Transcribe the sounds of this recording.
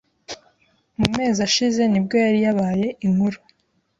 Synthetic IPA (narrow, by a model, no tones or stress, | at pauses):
mume̞ːzaʃize̞nibɡo̞jaɾijaβaːje̞ʔiŋhuɾu